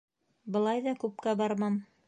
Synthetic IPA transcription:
bɤ̆lˠɑjðɑkʉp̚kæbɑɾmɑm

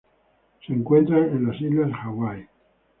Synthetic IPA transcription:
seːŋkwent̪ɾanenlasizlaexawaj

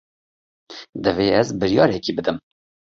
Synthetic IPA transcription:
d̪ɨveːɛzbɨɾjɑːɾɛkiːbɨd̪ɨm

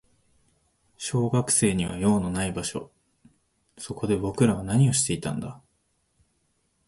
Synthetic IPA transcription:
ɕo̞ːɡakɯ̟̥se̞ːɲ̟iβ̞a̰jo̞ːno̞naibaɕo̞̰ | so̞ko̞d̪e̞bo̞kɯ̟ɾaβ̞anaɲ̟io̞ɕi̥t̪e̞it̪ã̰nd̪a

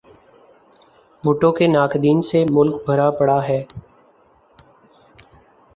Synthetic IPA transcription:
bʱʊʈõkenaːkd̪iːnsemʊlk̚bʱəɾapəɽaɦɛː

